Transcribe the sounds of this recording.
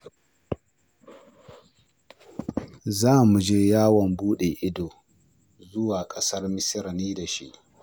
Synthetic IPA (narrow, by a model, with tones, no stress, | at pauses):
zaː˦˨mu˨d͡ʒeː˦jaː˦wɔ˨mbuː˦ɗe˨ʔɪ˦doː˨ | zʊ˦waː˨kʼɐ˦sɐ˦rmɪ˦sɪ˦ɾniː˦da˨ʃḭ˦ʔ